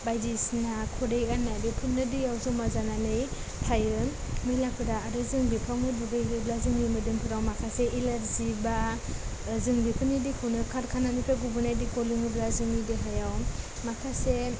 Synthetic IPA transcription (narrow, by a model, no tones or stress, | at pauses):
bajdisnakʰɔɾejanːajdipʰunnːɯdɯjawzumazananɯj | tʰajɯ | mɯjlakʰɯdaːɾɯzɯŋbipʰawnɯbuɡɯjɯblazɯŋbimɯdɯŋpʰɯɾawmakʰaseʔilaɾziba | zɯŋbipʰɯnidikʰɯwnɯkʰaɾkʰananipʰɾaɡubɯnajdikɔliŋɯblazɯŋideɦajaw | makʰase